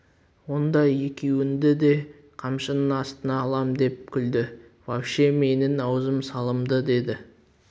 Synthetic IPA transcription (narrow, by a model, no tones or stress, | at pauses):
wo̞nd̪ɑje̞kʲʰe̞wɪnd̪ɪd̪e̞ | qʰɑmʃənənɑst̪ənɑːlˠɑmd̪e̞p̚kʲʰʏld̪ɪ | vɑwʃeme̞nɪnɑwzəmsɑlˠəmd̪əd̪e̞d̪ɪ